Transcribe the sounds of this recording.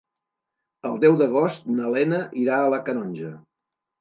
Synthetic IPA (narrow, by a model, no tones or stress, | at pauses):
əlˠd̪ɛwðəɣ̞ost̪̚nəlɛnəʔiɾaələkənɔnʲʒə